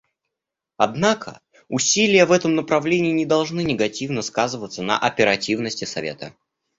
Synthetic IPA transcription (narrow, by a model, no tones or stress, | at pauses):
ɐd̪nakʰə̰ | ʊsʲilʲɪjəvɛt̪əmnəpɾɐvlʲenʲɪːnʲɪd̪ɐlˠʐnɨnʲɪɡɐtʲivnəskazɨvət̪sənə̰ʔɐpʲɪɾɐtʲivnəsʲtʲɪsɐ̰vʲḛt̪ə̰